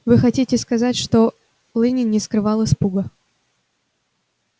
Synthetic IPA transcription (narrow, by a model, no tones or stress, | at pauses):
vɨxɐtʲitʲɪskɐzatʲʂt̪o | lˠɨnʲɪnʲɪskɾɨvɑlˠəspuɡə